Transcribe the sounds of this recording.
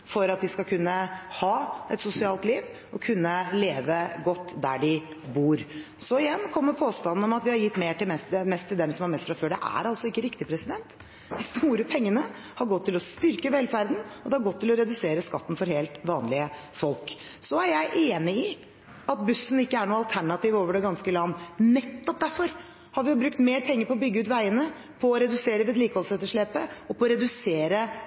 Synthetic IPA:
fɔɾɑt̪̚d̪ɪskɑkʰʉnːəhɑːɛt̪sʊsɪɑːlt̪liːʋ | ɔkʰʉnːəleːʋəɡɔt̪ːd̪æ̰ɖɪ | buːɾsɔɪjɛnːkʰɔmːəɾpʰoːst̪ɑnn̩ɔmɑt̪ʋɪhɑɾjɪt̪ːmeːʈɪlmɛst̪mɛst̪ʰːɪld̪ɛmsɔmɑɾmɛst̪fɾɑføːɖɛ̰ʔæ̰ɾɑltsɔɪkːəɾɪkt̪ɪpʰɾɛsɪd̪ɛnt̪ | d̪ɪst̪uːɾəpʰɛŋːənə | hɑɾɡɔt̪ʰːɪlɔst̪ʏɾkəʋɛlfæɾd̪n̩ɔd̪ɛhɑɾɡɔt̪ːɪlɔɾɛd̪ʉseːɾəskɑ̰t̪ːn̩fɔɾheːlt̪ʋɑːnlɪə | fɔlk | sɔæɾjæɪʔeːnɪɪ | ɑt̪̚bʉsn̩ɪkːəæɳuːɑlt̪ʰæɳɑt̪iːʋoːʋəɖɛɡɑnskəlɑnːnɛt̪ːɔp̚d̪æɾfɔɾ | hɑɾʋɪjʊbɾʉkt̪meːɾpʰɛŋːəɾpɔɔbʏɡːʉːt̪ʋæɪənə | pʰɔːɾɛd̪ʉseːɾəʋɛːd̪liːkəhɔlsɛt̪ːəʂɭeːpəɔpʰɔɾɛd̪ʉseːɾə

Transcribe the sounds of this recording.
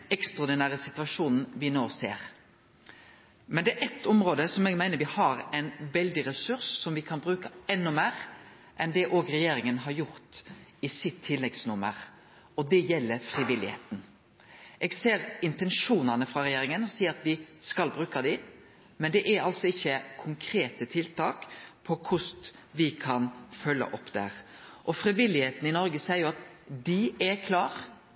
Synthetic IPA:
ɛkst̪ʁɑɔd̪ɪnæːɾəsɪt̪ʉɑʂuːnn̩ʋɪnoːsḛːɾ | mɛnd̪ɛæɾɛt̪ʰːɔmɾoːd̪əsɔmɛːɡmæɪnəɾʋɪhɑɾɛɪnʋɛld̪ɪɾɛsʉɾsːɔmʋɪkʰɑnbɾʉːkəɛnːʊmæːɾ | ʔɛnd̪ɛʔoːɡɾɛjeːɾɪŋənɦɑɾjʊɾt̪ɪsɪt̪ʰːɪlːɛɡsnʉmə̰ɾ | ɔd̪ɛjɛlːəfɾɪʋɪlːɪhḛːt̪n̩ | ʔɛːɡseːɾɪnt̪ɛnʂuːnɑnəfɾɑɾɛjeːɾɪŋənɔsiːəɾɑt̪ʋɪskɑlbɾʉːkɑd̪ɪ | mɛnd̪ɛʔæɾɑlsɔɪçːəkʰʊŋkʰɾeːt̪ət̪ʰɪlt̪ʰɑːkpʰɔkʰʊst̪ | ʋɪkʰɑnfœlːə̰ʔɔpːd̪̥æ̰ɾ | ʔɔfɾɪʋɪlːɪheːt̪n̩ɪnɔɾɡəsɛɪəjʊɑt̪d̪ɪɛɾkʰlɑːɾ

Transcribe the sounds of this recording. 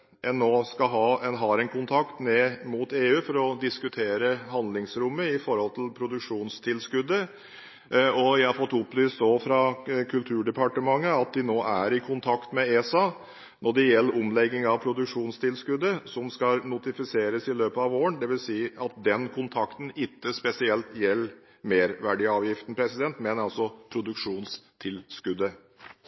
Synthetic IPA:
ʔɛnːoːskɑɦɑɛnɦɑːɾɛnkʰʊnt̪ʰɑkt̪neːmʊt̪eːʉːfɔɾɔd̪ɪskʉt̪ʰeːɾəɦɑnd̪lɪŋsɾʊmːəɪfɔɾhɔlt̪ʰɪlpʰɾʊd̪ʉkʂuːnst̪ʰɪlskʉd̪ːə | ɔjæɪhɑɾfɔt̪ːʊplyːst̪oːfɾɑkʰʉlt̪ʰʉːɖɛpʰɑʈəmɑŋːəɑt̪̚d̪ɪnoːʔæɾɪkʰʊnt̪ʰɑkt̪mɛeːsɑ | nɔɖɛjɛlːəɾʊmlɛɡːɪŋɑʋpʰɾʊd̪ʉkʂuːnst̪ʰɪlskʉd̪əsɔmskɑnʊt̪ɪfɪseːɾəsɪløːpəɑʋoːəɳd̪ɛʋɪlsiːɑt̪̚d̪ɛnkʰʊnt̪ʰɑkt̪n̩ɪt̪ːəspɛsɪɛlt̪jɛlː | meːɾʋæɖɪɑːʋjɪft̪n̩pʰɾɛsɪd̪ɛnt̪mɛnɑlsɔpʰɾʊd̪ʉkʂuːnst̪ʰɪlskʉd̪ːə

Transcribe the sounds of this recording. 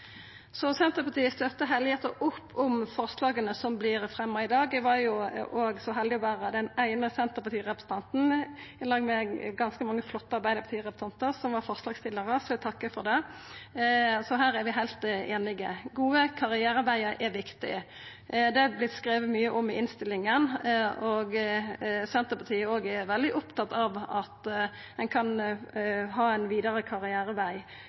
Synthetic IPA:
sɔsɛnt̪əpʰɑt̪ʰiːəst̪œt̪ːəɦɛld̪ɪheːt̪əʔʊpːɔmfɔɾslɑːɡənəsɔmblɪɾfɾɛmːɑɪd̪ɑːɡʋɑjʊʔoːɡsɔɦɛld̪ɪɔʋæːʁəd̪ɛnæɪnəsɛnt̪əɾpɑt̪ʰiːʁɛpɾə̥sn̩t̪ʰɑnt̪n̩ɪnɑːɡmɛɡɑnskəmɑŋːəflɔt̪ːəɑɾbæɪd̪əpɑt̪iːʁɛpɾət̪ʰɑnt̪əʁsɔmʋɑɾfɔɾslɑːɡst̪ɪlːəɾəsɔlt̪ʰɑkːəfɔɾd̪ɛ | sɔɦæːɾæɾʋɪɦæɪlt̪eːnɪɡə̰ɡuːəkʰɑʁɪæːɾɑbæɪəɾʔɛɾʋɪkt̪ɪ̰ | d̪ɛɑblɪt̪skɾeːʋəmyːəʔɔmɪɪnst̪ɪlːɪŋənɔɡ | sɛnt̪əpɑt̪ʰiːəoːɡɛʋɛld̪ɪʔʊpt̪ɑt̪ɑʋɑt̪ | d̪ɛnkʰɑn | ɦɑːæɪnʋiːd̪əɾəkʰɑʁɪæːɾəʋæɪ

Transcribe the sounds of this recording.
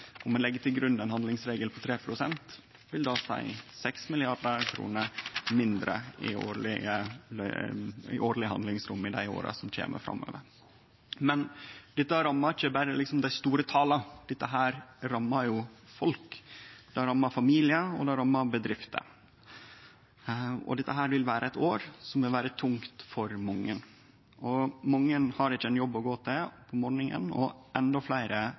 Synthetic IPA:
ɔmːɛnɛɡːət̪ʰɪlɡɾʉnːɛnɦɑnd̪ɪŋsɾeːɡəlpʰɔt̪ʰɾeːpʰɾʊsɛnt̪ | ʋɪld̪ɑsæ̰ɪsɛksmɪlɪɑɾɖəɾkʰɾṵːnəɾmɪnd̪ɾə̰ɪ̰o̰ːlɪə | ɪ̰ʔoːɾɭɪəɦɑnɪŋsɾʊmːɪd̪æ̰ɪo̰ːɾə̰sɔmc͡çʰḛːmə̰fɾɑ̰mːø̰ːʋə̰ɾ | mɛnd̪̥ɪt̪ːəɾɑmːɑɾɪçəbæɾəlɪksɔmd̪æɪst̪uːɾət̪ʰɑːlɑd̪̥ɪt̪ːəɦæːɾɾɑmːɑɾjʊfɔlkd̪̥ɛɾɑmːɑɾfɑmiːlɪəɔ̰d̪ɛɾɑmːɑɾbəd̪ɾɪft̪ʰə̰ | ɔ̰d̪ɛt̪ːəɦæːɾʋɪlʋæːɾʔəæɪt̪oːɾsɔmʋɪlʋæːɾət̪ʰʊŋt̪fɔɾmʊŋːən | ɔmɔŋːənhɑɾɪt͡ʃːəɛnjɔbːɔɡoːt̪ʰɪpʰɔmɔːɾɳɪŋə̰nɔ̰ʔɛnd̪ɔflæɪɾə

